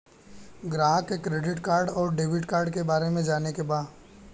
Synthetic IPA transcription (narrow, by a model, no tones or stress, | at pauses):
ɡɾaːɦkekɾeːɖɪʈkaːɾɖɔːɾɖeːʋɪʈkaːɾɖkebaːɾemẽd͡ʒaːnekebaːd̪